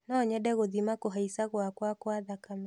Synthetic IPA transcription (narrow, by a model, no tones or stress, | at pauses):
nɔɲɛdɛɣoðimakoɦaisaɣwakwakwaðakamɛ